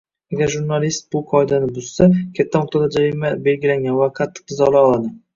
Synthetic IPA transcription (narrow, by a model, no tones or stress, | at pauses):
aɡʲaɾʒʊɾnalist̪̚bʊqʰɒɪd̪anɪbʊz̥sakʲʰat̪ʰːamʊq̚t̪ʰad̪ad͡ʒaɾimabe̞lɡʲɪlaŋɡʲanvaqʰɑt̪ʰːɪ̥qɨzɒlˠaɒlˠad̪ɪ